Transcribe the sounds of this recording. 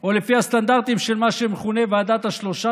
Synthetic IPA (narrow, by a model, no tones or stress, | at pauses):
o̞lefihast̪and̪aʁt̪imʃelmaʃemeχune̞vead̪at̪aʃlo̞ʃa